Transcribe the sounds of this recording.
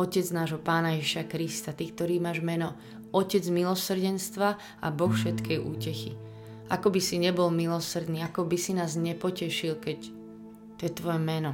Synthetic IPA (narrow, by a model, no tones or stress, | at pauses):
ɔcɛd͡znaːʒɦɔpaːnajɛʒiʃakɾist̪at̪iːk̚t̪ɔɾiːmaːʒmɛnɔ | ɔcɛd͡zmilɔsr̩ɟɛnst̪ʋa | a̰bɔxfʃɛt̪kɛjʔṵːcɛxi | akɔbisiɲɛbɔlmilɔsr̩d̪niːakɔbisinaːzɲɛpɔcɛʃilkɛc | t̪ɔjɛt̪ʋɔjɛmɛnɔ